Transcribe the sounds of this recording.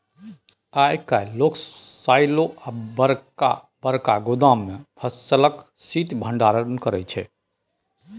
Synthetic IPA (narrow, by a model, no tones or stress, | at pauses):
ajkajloksajloabəɾa | bəɾkaɡud̪ãmːepʰəst͡ʃələk | sit̪bʱəɳɖaɾənkəɾɛt͡ʃʰɛ̰